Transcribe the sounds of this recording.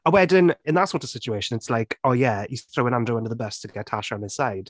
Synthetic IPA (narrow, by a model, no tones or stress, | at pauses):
əwɛdə̃nɪ̃nðətsɔːˑtəv̥sɪt͡ʃueɪʃə̃nɪtslaɪkʰoːjæjəθɹoʊɪ̃nãndɹəə̃ndəðəbəstʰəɡɛthaʃnɪz̥saɪd̥